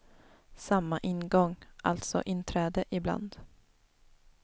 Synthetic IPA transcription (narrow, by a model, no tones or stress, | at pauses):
samːaʔɪnɡɔŋʔa̰lt̪sɔ̰ʔɪnt̪ʰɾɛːd̪əʔɪbla̰nd̪